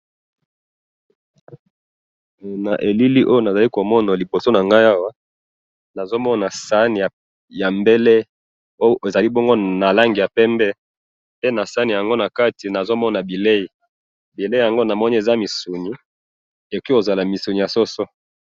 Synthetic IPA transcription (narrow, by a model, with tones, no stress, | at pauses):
na˨ʔe˨li˦li˦ʔo˦jo˦na˨za˨li˦ko˨mɔ˦na˨li˨bo˨so˦na˨ŋɡa˦ja˦wa˦ | na˨zo˦mɔ˦na˨sa˦ni˨ja˨ | ja˨mbe˦le˦ | o˦o˦˨e˨za˨li˦bɔ˦ŋɡo˦na˨la˦ŋɡi˨ja˨pɛ˦mbɛ˦ | pe˦na˨sa˦ni˨ja˨ŋɡo˦na˨ka˦ti˨na˨zo˦mɔ˦na˨bi˨le˦i˨ | bi˨le˦i˨ja˨ŋɡo˦na˨mɔ˦ni˦e˨za˦mi˨su˨ni˦ | e˨ki˦ko˨za˨la˨mi˨su˨ni˨ja˨so˦so˦